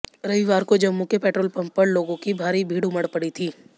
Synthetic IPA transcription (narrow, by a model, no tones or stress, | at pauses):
ɾɐʋiʋaːɾkod͡ʒɐmːũkepɛːʈɾoːlpɐ̃mpəɽloːɡõkibʱaːɾibʱiːɽuməɽpɐɽit̪ʰiː